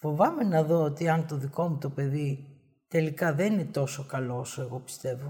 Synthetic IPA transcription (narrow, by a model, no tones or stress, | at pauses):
fo̞vɐme̞nɐðo̞ot̪iɐnt̪o̞ðiko̞mut̪o̞pe̞ði | t̪e̞likɐðe̞ninet̪o̞so̞kɐloosoe̞ɣo̞pi̥st̪e̞vo